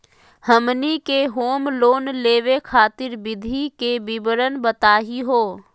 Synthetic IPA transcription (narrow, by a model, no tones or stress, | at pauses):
həmnikeɦoːmloːnleːʋekʰaːt̪ɪɾbɪd̪ʱikebɪbəɾənbət̪aːɦiɦoː